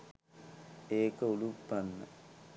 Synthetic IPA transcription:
eːkəulupːɐnːə̰

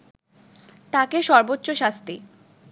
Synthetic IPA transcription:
t̪akeʃɔɾbotːɕoʃast̪i

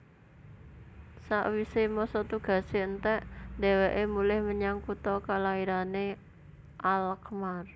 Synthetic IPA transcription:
sa̰ʔwisemɔsɔt̪uɡ̥ä̤seənt̪ɛʔd̪̥e̤weʔemulɪhməɲaŋkut̪ɔkalaiɾane | ʔalkmar

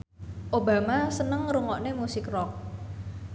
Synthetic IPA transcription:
ʔoba̤masənəŋruŋɔʔnemusɪkrɔk̚

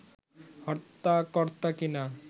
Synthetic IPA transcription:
hɔɾt̪ːakɔɾt̪akina

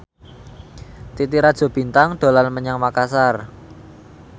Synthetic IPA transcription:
t̪it̪iɾad̥ʒ̥ɔ̤b̥i̤nt̪aŋɖ̥o̤lanməɲaŋmakasar

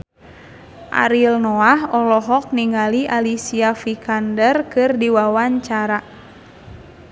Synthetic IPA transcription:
ʔa̰ɾilnɔahɔlɔɦɔk̚niŋaliʔalisiafikʰandərkɨrdiwawaɲt͡ʃaɾa

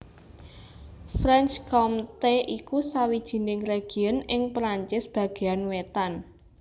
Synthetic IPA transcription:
fɾɛnt͡ʃkɔmt̪eʔikusawid̥ʒ̥i̤nɪŋreɡ̥i̤ənɪŋpɾaɲt͡ʃɪsb̥ä̤ɡ̥e̤anwet̪an

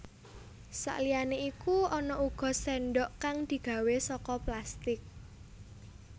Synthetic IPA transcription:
sa̰ʔlijaneikuɔnɔʔuɡ̥ɔ̤sɛnɖɔʔkaŋd̪̥i̤ɡ̥ä̤wesɔkɔplast̪ɪk̚

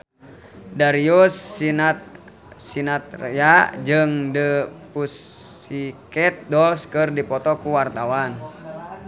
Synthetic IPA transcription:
daɾiusinat̪̚ | sinat̪̚rjad͡ʒɨŋdəpusikɛt̪̚dɔlskɨrdipɔt̪ɔkuwart̪awan

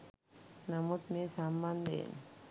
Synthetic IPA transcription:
namut̪nesamːand̪ḛn

